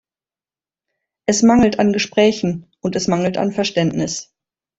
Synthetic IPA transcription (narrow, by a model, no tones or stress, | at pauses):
ʔɛsmaŋl̩tanɡəʃpʁ̥ɛːçn̩ | ʊntɛsmaŋl̩ta̰nfɛɐʃtɛntnɪs